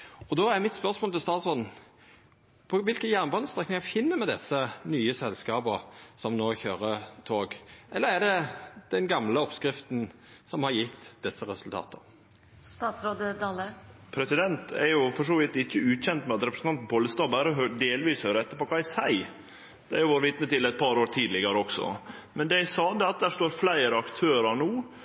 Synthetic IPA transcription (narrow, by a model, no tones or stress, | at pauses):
ɔd̪oːæɾmɪt̪spœʁsmoːlt̪ʰɪlst̪ɑːt̪sɾoːd̪n̩ | pʰɔʋɪlkənjæʁnbɑːnəst̪ʁɛknɪŋɑfɪnːəmɛd̪ɛsənyːəsɛlːskɑːbɔsɔmnoːçøːɾət̪ʰoːɡʔɛlːəʁæɖɛd̪̥ɛnɡɑmləɔpskɾɪft̪n̩ | sɔmhɑɾjɪt̪ːd̪̥ɛsːəɾɛsʉlt̪ʰɑ̰ːt̪ʰə | st̪ɑːt̪sɾoːd̪əd̪ɑːləpʰɾɛsɪd̪ɛnt̪ʰæ̰ɾjʊfɔʂoːʋɪt̪ɪçːəʉːçɛnt̪mɛɑt̪ɾɛpɾəsn̩ʰɑnt̪n̩pʰoːlːəst̪ɑːbæɾəɔɦøɖeːlʋiːshøːɾəɛt̪ːəɾpɔkʰɑːæɪsæɪ | d̪ɛæɾjʊʋoːɾʋɪt̪nət̪ɪlɛɪt̪̚pʰɑɾoːɾt̪ʰiːd̪lɪɡəɾəɔksɔ̰mɛnd̪æɪsɑːd̪ɛɑt̪̚d̪æːʂt̪oːɾflæɪɾəɑkt̪ʰøːɾɑɳuː